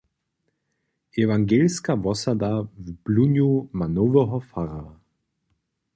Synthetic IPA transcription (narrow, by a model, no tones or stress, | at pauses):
ʔevaŋɡelskavɔsadavb̥lunjumanoːvəɦɔfaʁa